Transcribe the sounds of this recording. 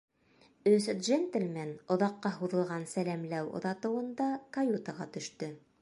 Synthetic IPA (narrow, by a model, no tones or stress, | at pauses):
ɵsd̪ʒent̪ɘ̆lʲmænŏðɑqːɑɦuðɤ̆lˠʁɑnsælæmlæwŏ̰ðɑt̪ɤ̆wɤ̆nd̪ɑkɐjut̪əʁɑt̪ɵ̆ʃt̪ɵ